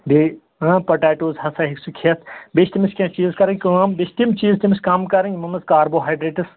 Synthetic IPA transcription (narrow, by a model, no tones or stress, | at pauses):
be | apɐʈaːʈoːzɦɐsɐɦiksukʰiɐt̪ʰbeʃt̪imiskʲãːt͡ʃiːzkɐɾɐŋʲkuɐmbest̪imt͡ʃiːzt̪imsʲkaːmkɐɾɐ̃ŋɡʲmɐnɐskaːɾboːɦaːjɖɾeːʈɨs